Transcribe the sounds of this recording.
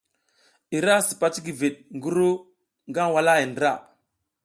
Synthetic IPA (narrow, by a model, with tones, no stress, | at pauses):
i˨ɾa˦si̥˨pa˨ti˦ɡi˨vi˨ɗŋɡu˦ɾu˦ | ŋɡa˦nwa˦la˦i˨ndɾa˦˨